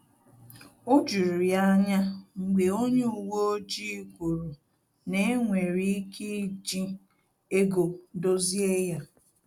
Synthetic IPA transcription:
o˦d͡ʒu˨ɾi˨a˦ɲa˦ŋ͡m̩˨ɡ͡be˨o˦ɲe˦u˨wo˦o˦d͡ʒi˦kʷu˨ɾu˨ | ne˦ŋʷe˨ɾi˦i˦ke˦i˦d͡ʒi˦ | e˦ɡo˨˦do˦zi˦e˦ja˦

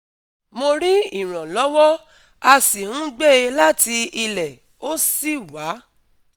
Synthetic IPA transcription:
mo˧ɾi˦i˦˨ɾ̃ã˨lɔ˨˦wɔ˦ | a˧si˨hũ˦ɡ͡be˦e˧la˦ti˧i˧lɛ˨ | o˦si˦˨wa˨˦

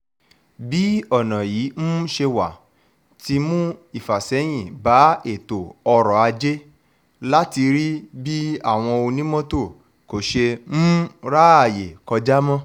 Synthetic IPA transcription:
bi˨˦ɔ˦˨nã˨jiː˨˦m̩̃˦ʃe˧wa̰˨ | ti˧mũ˦i˦˨fa˨sɛ˨˦j̃ĩ˦˨ba˨˦e˦˨to˨ɔ˧ɾɔ˨a˧d͡ʒe˦ | la˦ti˧ɾi˦bi˦a˦˨w̃ɔ̃˧o˧nĩ˦mɔ̃˦to˦˨ | ko˨ʃe˧m̩̃˦ɾa˦a˦˨je˨kɔ˧d͡ʒa˦mɔ̃˦

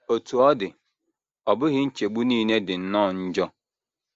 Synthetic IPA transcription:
o˨tu˨ɔ˦dɪ˨ | ɔ˨bʊ˦ɣɪ˦n̩˦t͡ʃe˨ɡ͡bu˦niː˦ne˦dɪ˨n̩˦nɔ˦˨n̩˦d͡ʒɔ˦

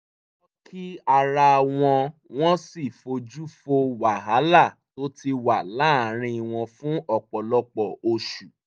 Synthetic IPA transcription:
ɔ˦kʰi˦a˧ɾa˧w̃ɔ̃˧w̃ɔ̃˦si˦˨fo˧d͡ʒu˦fo˧wa˨ɦa˨˦la˦˨to˨˦ti˧wa˨la˨˦a˨ɾ̃ĩ˧˨w̃ɔ̃˧fũ˦ɔ˦˨k͡pɔ˨lɔ˧˦k͡pɔ˦˨o˧ʃu˨

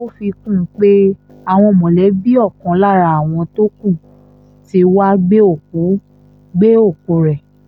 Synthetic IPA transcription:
o˦fi˧kũ˦˨˦k͡pe˦ | a˨w̃ɔ̃˧mɔ̃˨lɛ˨˦bi˦ɔ˦˨kã˨˦la˦˨ɾa˧˦a˨w̃ɔ̃˧to˦kũ˦˨ | ti˧˦wa˦ɡ͡be˦o˦˨k̚u˨˦ | ɡ͡be˦o˦˨ku˨˦ɾɛ˨

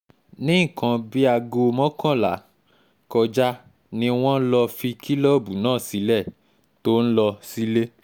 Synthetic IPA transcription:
nĩ˦˨kã˧bi˦a˧ɡo˧mɔ̃˦kã˦˨la̰˨˦ | kɔ˧d͡ʒa˦ | nĩ˧w̃ɔ̃˦n̩˦lɔ˧fi˧kʰi˦lɔ˦˨bu˨˦nãː˦˨si˨˦lɛ˦˨ | to˦n̩˦lɔ˧si˦le˦

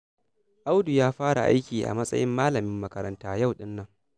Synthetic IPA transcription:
ʔa˦wdu˨jaː˦ɸaː˦ɽa̰˨ʔa̰˦jkʲiː˨ʔa̰˨mɐ˦sʼɐ̰˦jʔɪ˦mːaː˦lɐ˨mɪ˦mːɐ˦kɐ˨ɾɐ̰˨ntaː˦ja˦˨wɗɪ˦nːɐ˦ŋ

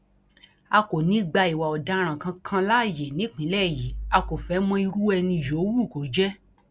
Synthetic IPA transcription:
a˧ko˨nĩ˨˦ɡ͡ba˧i˨wa˨ɔ˨da˨˦ɾ̃ã˨kã˧kʰã˧la˦˨je˨nĩ˨˦k͡pĩ˨˦lɛ˦˨ji˨˦a˧ko˨fɛ˨˦mɔ̃˧˦i˧ɾu˦ɛ˧nĩ˧˨jo˨˦wu˦˨ko˨˦d͡ʒɛ˦

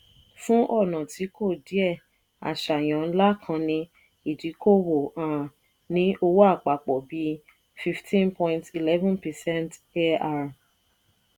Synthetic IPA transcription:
fũ˦ʔɔ˦˨nã˨ti˨˦ko˦˨di˨˦ɛ˦˨ | a̰˨ʃa˨j̃ã˨˦la˦kʰã˧nĩ˧ | i˨d͡ʒi˨˦kʰo˦˨wo˨ã˨ | nĩ˦o˧wo˦a˦˨k͡pa˨k͡pɔ˨bi˨˦ | fi˧ftʰĩ˦npɔ̃˧ĩnti˨lɛ˦vɔ̃˦npɛ˨sɛ̃˦nte˦a˦ɾ

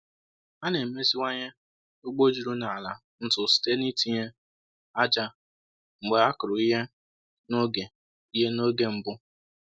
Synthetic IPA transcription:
a˦ne˨me˦zi˦wʷa˦ɲe˦ | o˦ɡ͡bo˦d͡ʒi˨ɾu˦na˨a˨la̰˨ | n̩˦tʊ˨si̥˨te˦ni˦ti˦ɲe˦ | a˦d͡ʒa˦ | ŋ͡m̩˨ɡ͡be˨a˦kʊ˨ɾʊ˨i˦ɦe˦ | no˦ɡe˨ | i˦ɦe˦no˦ɡe˦m̩˨bʊ˦

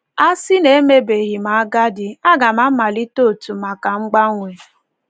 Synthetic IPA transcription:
a˦si˦ne˨e˦me˦be˨ɣi˨ma˨a˦ɡa˦dɪ˨a˦ɡa˨ma˦ma˨li˦to˦˨tu˨ma˨ka˨ŋ͡m̩˦ɡ͡ba˦ŋʷe˨

